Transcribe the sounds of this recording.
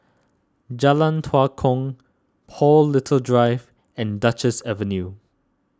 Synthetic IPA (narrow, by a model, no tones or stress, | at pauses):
d͡ʒalə̃ntʰwakʰɔ̃ŋ | pʰɔlːɪtʰəldɹaɪv | ɛ̃ndat͡ʃəsɛvə̃nju